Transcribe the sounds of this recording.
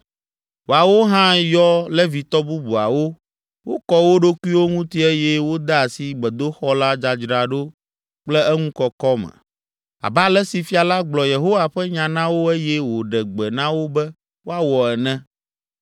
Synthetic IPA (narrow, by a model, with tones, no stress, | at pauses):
wo˨a˨wo˦ɦã˦jɔ˦lɛ˦vi˨t̪ɔ˦bu˦bu˨a̰˨wo˦ | wo˦kɔ˦wo˦ɖo˦ku˦i˦wo˦ŋũ˦t̪i˦e˦jɛ˦wo˦d̪ɛ˦a˨si˨ɡ͡bɛ˨d̪o˦xɔ˦la˦d͡ʒa˨d͡ʒɾa˨ɖo˦ | k͡plɛ˦ɛ˦ŋũ˦kɔ˨kɔ˦mɛ̰̃˨ | a̰˨ba˦lɛ˦si˨fi˦a˨la˦ɡ͡blɔ˨je˨ɦo˦wa˨ɸɛ˦ɲã˨nã˦wo˦ɛ˦jɛ˦wo˨ɖɛ˨ɡ͡bɛ˨nã˦wo˦bɛ˦ | wo˦a˦wɔ˨ɛ˨nɛ̃˦